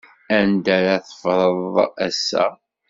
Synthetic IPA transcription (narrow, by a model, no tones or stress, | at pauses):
ænd̪æɾaθə̥fɾˤəðˤæsːæ̰